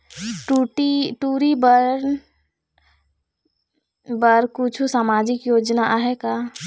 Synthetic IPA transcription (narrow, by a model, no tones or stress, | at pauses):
ʈuʈiʈuːɾibəɾɾn | bəɾkut͡ʃʰusaːmaːd͡ʒɪkjoːd͡ʒnaʔaɦɛka